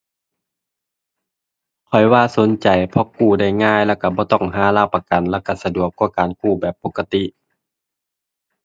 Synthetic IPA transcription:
kʰɔ˨˩jwaː˧˨so˨˦nt͡ɕa˨˩jpʰɔ˧˥kuː˧˩da˧˩jŋaː˧˥˨jlɛː˧˩wka˧˩bɔː˧˦t̪ɔ˧˥˩ŋɦaː˨˧˦laː˧˩pa˧ka˨nlɛː˧˩˨ka˧˩sa˧du˨˩əkːuː˧˩kaː˨nkuː˧˩bɛː˨˩pːo˧˥kːa˧t̪i˧˨ʔ

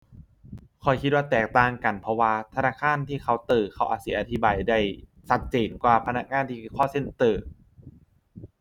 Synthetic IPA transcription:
kʰɔ˨˧˩jkʰi˧t̪̚waː˥˩t̪ɛː˨˩k̚t̪aː˧˩ŋka˨˩npʰɔ˧˥waː˧t̪ʰa˧naː˧˥˩kʰaː˧˥˨nt̪ʰiː˥˩kʰa˧˥˩wt̪ɯː˨˩kʰa˧˥˩wʔaː˨˧˩si˨˩˦ʔa˧t̪ʰi˦˥baː˨˩jda˧˩j | sa˧˥t̪̚t͡ɕeː˩˦nkwaː˨˧˩pʰa˧na˧˥k̚ŋaː˧˥˨nt̪ʰiː˧˩kʰːkʰɔː˥˩se˧˥˨nt̪ɤː˨˩

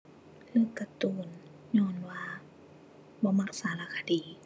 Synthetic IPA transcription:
lɯː˧˨kːa˧t̪uː˧˨˩n | ɲɔː˧˨nwaː˧ | bɔː˧˦ma˧k̚saː˨˦la˧˩kʰa˧diː˨˦

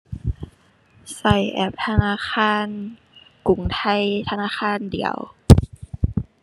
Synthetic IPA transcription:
sa˧˩jʔɛ̰˧˩p̚t̪ʰa˧naː˧˥˨xʰaː˧˥˨n | ku˨˩˦ŋt̪ʰa˧˩˨jt̪ʰa˧naː˧˥˨xaː˧˥˨ndḭ˨˩˦əw

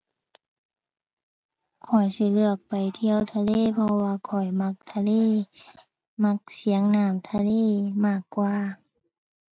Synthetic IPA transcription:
kʰɔ˨˩jsi˧˦lɯ˧˩ək̚pa˨jt̪ʰi˧əwt̪ʰaː˧leː˧˥˨pʰɔ˧waː˧kʰɔ˨˩jma˧˥k̚t̪ʰa˧leː˧˨ | ma˧˥k̚si˨˦əŋnaː˧˩mt̪ʰaː˧leː˧˥˨maː˧˩kːwaː˧

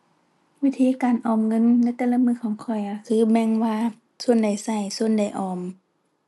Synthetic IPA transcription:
wi˦˥t̪ʰiː˧˨kaː˨˩nʔɔː˨˩mŋɤ˧˥˨nːa˧˥jt̪ɛː˨˧˦la˧mɯː˧˨kʰɔː˨˦ŋkʰɔ˧˩ja˧kʰɯː˧˦bɛ˧˥ŋwaː˧ | su˧˨ənda˨˩jsa˧˩jsu˧ənda˨˩jʔɔː˨˩m

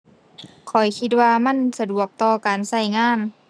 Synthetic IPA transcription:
kʰɔ˨˩jkʰi˧t̪̚waː˧ma˧˥˨nsa˧du˨˩ək̚t̪ɔː˧kaː˨nsa˧˩jŋaː˧˥˨n

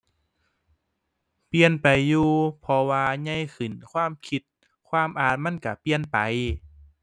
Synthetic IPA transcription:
pi˧ənpa˨˩jːuː˧pʰɔ˧waː˧ɲa˧˥˨jkʰɯ˨˩nkʰwaː˧˥˨mkʰi˧t̪̚ | kʰwaː˧˥˨mʔaː˨˧˩t̪̚ma˧˥˨nka˧˩pi˧ənpa˨˩j

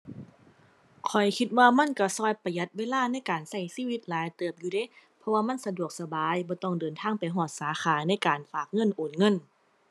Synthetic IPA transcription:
kʰɔ˨˩jkʰi˧t̪̚waː˧ma˧˥˨nka˧˩sɔː˧˩jpa˧ja˧t̪̚weː˧˥˨laː˥˩˨na˧˥˨jkaː˨˩nsa˧˩jsiː˧˥˨wi˧˦t̪̚laː˨˦jt̪ɤː˧˩əp̚juː˧da˧˥˨pʰɔ˧waː˧ma˧˥˨nsa˧du˨˩ək̚sa˧baː˨˦jbɔː˧˦t̪ɔ˧˩ŋdɤː˨nt̪ʰaː˧˥˨ŋpa˨jɦɔː˧˩t̪̚saː˨˦xaː˨˦na˧˥˩jkaː˨nfaː˨˩k̚ŋɤ˧˥˨nʔoː˨˩nŋɤ˧˥˨n

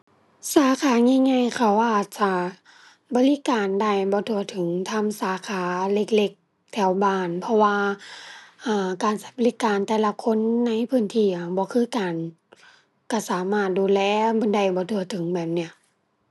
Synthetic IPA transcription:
saː˨˦kʰaː˨˦ɲa˧˨ŋa˧˨jkʰa˧˩wʔaː˨˩t̪̚t͡ɕa˧˩ | bɔː˧˦li˧˥˨kaː˨nda˧˩jbɔː˧˦t̪ʰu˧˩ɐət̪ʰɯ˨˦ŋt̪ʰa˧˥msaː˨˦kʰaː˨˦le˧k̚le˧˩k̚ | t̪ʰɛ˧˩˦wbaː˧˩npʰɔ˧waː˧ | ʔaː˧˩kaː˨˩nsa˧˩˦bɔː˨li˦˧˥kaː˨nt̪ɛː˧la˧kʰo˧˥˨nːa˧˥jpʰɯː˧˥˨nt̪ʰiː˧˩ʔa˧˩bɔː˧˦kʰɯː˧˥˨kaː˨˩n | ka˧˩saː˨˦maː˧˩t̪̚duː˨lɛː˧˩bɔː˨˦nda˧˩jbɔː˧˦t̪ʰu˧˩ɐt̪ʰɯ˨˩˦ŋbɛː˨˩p̚ni˧˩ɐ

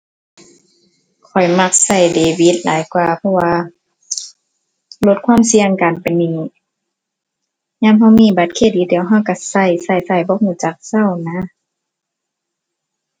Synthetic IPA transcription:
kʰɔ˨˩jma˧˩k̚sa˧˩jdeː˨wi˧˦t̪̚la̰ː˨˦jkwaː˧pʰɔ˧waː˧ | lo˧t̪̚kʰwaː˧˥˨msi˧əŋkaː˨npa˨jniː˧ | ɲaː˧˨mɦa˧˩˨wmiː˧˥˨ba˧˦t̪̚kʰeː˧˨t̪̚diː˨˧˨diː˨əwɦa˧˨wka˧sa˧˩jsa˧˩jsa˧˩jbɔ˧˦k̚huː˧˩˨t͡ɕa˧˦k̚sa˧˩˨wna˧˥

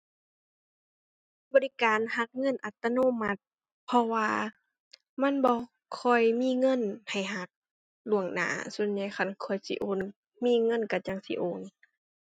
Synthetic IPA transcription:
bɔː˧˨li˧˨kaː˨nha˧˥k̚ŋɤ˧˥˨nʔa˨˧˩t̪ːa˧noː˧˥˨ma˧˥t̪̚ | pʰɔ˧waː˧ | ma˧˥˨nbɔː˧˦ | kʰɔ˧˩jmiː˧˥˨ŋɤ˧˥˨nha˨˩jɦa˧˦k̚ | lu˧˩əŋna̰ː˧˦su˧˩ənɲa˧˩˦jxʰa˧˩nkʰɔː˧˩jsḭ˧˦ʔoː˧˥˨n | miː˧˥˨ŋɤ˧˥˨nka˧˩t͡ɕa˧ŋsi˧˦ʔoː˧˨n

